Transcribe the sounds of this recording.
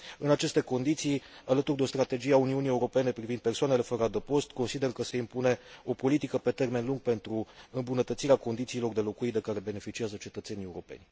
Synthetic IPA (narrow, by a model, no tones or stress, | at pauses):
ɨnat͡ʃe̞st̪e̞ko̞nd̪it̪sijalət̪urd̪eo̞st̪ɾat̪e̞d͡ʒieauniunije̞uɾo̞pe̞ne̞pɾivind̪̚pe̞rsoanele̞fəɾad̪əpo̞st̪ko̞nsid̪e̞rkəse̞impune̞o̞po̞lit̪ikəpe̞t̪e̞rme̞nluŋɡ̚pe̞nt̪ɾuɨmbunət̪ət̪siɾeako̞nd̪it̪siːlo̞rd̪e̞lo̞kuit̪̚d̪e̞kaɾe̞be̞ne̞fit͡ʃiazət͡ʃe̞t̪ət̪se̞nie̞uɾo̞pe̞̰nʲ